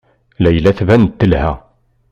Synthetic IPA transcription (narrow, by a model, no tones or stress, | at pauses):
læjəlæθvænt̪ːəlhæ